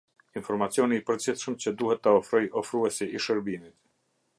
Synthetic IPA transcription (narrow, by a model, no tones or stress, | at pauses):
infɔɾmat͡sjɔniːpəɾd͡ʑiθʃəmt͡ɕəd̪uhɛt̪ːəɔfɾɔjɔfɾuɛsiiʃəɾbinit̪